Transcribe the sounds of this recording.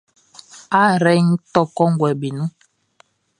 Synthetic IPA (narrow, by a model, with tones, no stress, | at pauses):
a˦ɾɛ˦n̩˦tɔ˦kɔ˦ŋ̩˦ɡwɛ˨bi˨nũ˦